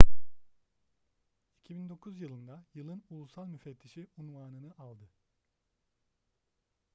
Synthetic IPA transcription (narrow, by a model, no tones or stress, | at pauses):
icʰibind̪o̞kʰuzjɯlˠɯnd̪ajɯlˠɯnulˠusalˠmyfɛt̪ʰːiʃiunvaːnɯnɯʔalˠd̪ɯ